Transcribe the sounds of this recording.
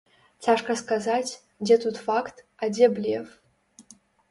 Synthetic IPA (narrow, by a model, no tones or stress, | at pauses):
t͡sʰaʂkʰʼaskazatʲʰ | dʲet̪ʰutʰʼfaktʰ | adʲeblʲiɛf